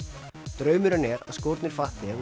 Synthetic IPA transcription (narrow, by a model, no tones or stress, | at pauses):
t̪ɾœːɥmʏɾanɛɾa̰ðskɔɾt̪nɪɾ̥faht̪ɪa